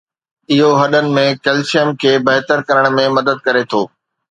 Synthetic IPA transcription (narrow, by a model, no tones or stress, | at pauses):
ɪɦoɦɐɗənɪ̆mẽkɐlsijəmkʰeːbɐɦt̪əɾkɐɾəɽ̃mẽmɐd̪əd̪̚kɐɾet̪ʰoː